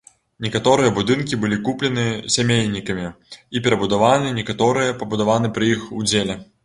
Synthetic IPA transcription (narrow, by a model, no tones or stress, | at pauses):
nʲɛkat̪ɔɾɨjɐbud̪ɨnkʲibɨlʲikuplʲɛnɨsʲamʲelʲnʲikɐmʲiipʲɛɾɐbud̪avanɨnʲɛkat̪ɔɾɨjɐpɐbud̪avanɨpɾɨixud͡zʲelʲɛ